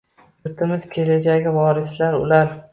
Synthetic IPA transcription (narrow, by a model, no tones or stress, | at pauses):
jʊɾt̪ʰɪmɪz̥kʲʰe̞led͡ʒaɡʲɪvɒɾɪslaɾʊ̰laɾ